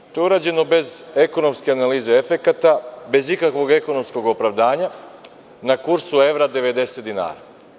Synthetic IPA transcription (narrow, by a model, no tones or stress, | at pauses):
t̪ouɾaːd͡ʑe̞no̞be̞ze̞ko̞no̞mske̞analiːzeefe̞kat̪abe̞zikakʋo̞ɡe̞ko̞no̞msko̞ɡo̞pɾaʋd̪aːɲa | nakuɾsue̞ʋɾad̪e̞ʋe̞d̪e̞set̪d̪ina̰ːɾa